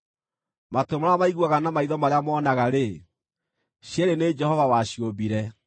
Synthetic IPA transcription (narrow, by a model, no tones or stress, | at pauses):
matomaamaiɣwaɣanamaiðɔmaɾeamɔːnaɣaɾe | ɕeɾened͡ʒɛhɔvawaɕjobiɾɛ